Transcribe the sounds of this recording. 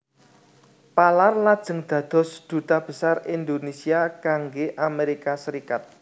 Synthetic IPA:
palarlad̥ʒ̥ə̤ŋd̪̥ä̤d̪̥ɔ̤sd̪̥ṳt̪ab̥ə̤sarind̪onesiakaŋɡeʔameɾikasəɾikat̪̚

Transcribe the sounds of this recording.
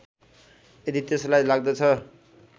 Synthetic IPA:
ed̪it̪eslajlaɡ̚d̪ʌt͡sʰʌ

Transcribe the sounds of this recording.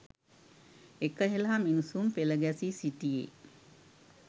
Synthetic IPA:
ekəɦeləɦaminusumpeləɡæsisiʈijḛ

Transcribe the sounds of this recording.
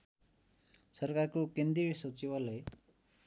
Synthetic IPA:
sʌrkarkokend̪riɾsʌt͡sibʌlaj

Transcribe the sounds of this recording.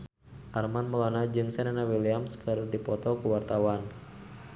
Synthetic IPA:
ʔarmanmɔlɔnad͡ʒɨŋsɛnanawiliamskɨrdipɔt̪ɔkuwart̪awan

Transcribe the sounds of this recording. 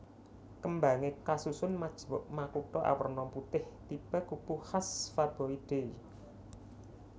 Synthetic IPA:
kəmbaŋekasusʊnmad̥ʒ̥wɔʔmakuʈɔʔa̰wərnɔmput̪ɪht̪ib̥a̤kupuhasfab̥ɔ̤id̪̥e̤

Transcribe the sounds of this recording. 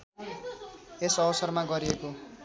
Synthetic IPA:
esʌwʌsʌrmaɡʌɾieko

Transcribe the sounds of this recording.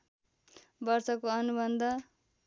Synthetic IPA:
bʌrt͡sʌkoʌnubʌnd̪ʱʌ

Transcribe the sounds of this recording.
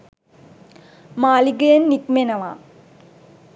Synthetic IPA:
maːliɡəjenːikmenɐʋa̰ː

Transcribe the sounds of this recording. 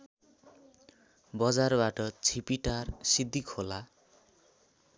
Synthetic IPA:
bʌd͡zarbaʈʌt͡sʰipiʈarsid̪ʱːikʰola

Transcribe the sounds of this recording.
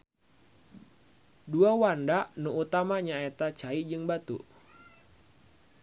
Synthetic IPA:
duawandaʔnuut̪amaɲaet̪at͡ʃaid͡ʒɨŋbat̪ṵ

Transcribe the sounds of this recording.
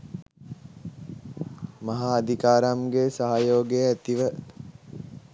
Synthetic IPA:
maɦaːd̪ʱikaːɾamɡesaɦajoːɡeəæt̪iʋə

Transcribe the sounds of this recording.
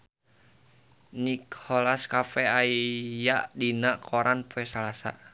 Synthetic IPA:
nikʰolaskafɛaijaʔdinaʔkʰoɾanpuɛsalasa̰

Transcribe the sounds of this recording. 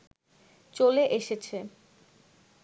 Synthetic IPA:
t͡ɕoleʔeʃet͡ɕʰe

